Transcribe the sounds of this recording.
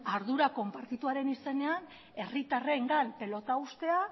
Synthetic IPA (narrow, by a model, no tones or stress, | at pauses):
aɾðuɾako̞mpaɾt̪it̪uaɾe̞nise̞ne̞an | e̞rit̪areŋɡanpe̞lo̞t̪aust̪e̞a